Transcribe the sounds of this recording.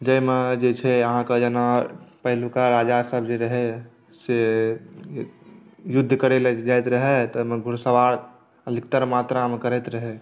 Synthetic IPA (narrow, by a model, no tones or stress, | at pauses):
d͡ʒəjmed͡ʒet͡ʃʰɛəɦãkəd͡ʒənapəɦlukaɾaːd͡ʒasəbd͡ʒeɾəɦe | se | jʊd̪ʱːkəɾeled͡ʒaet̪ɾəɦet̪ɔmẽɡʱʊɾsəʋaɾ | əd̪ʱikt̪əɾmaːt̪ɾamẽkəɾet̪ɾəɦe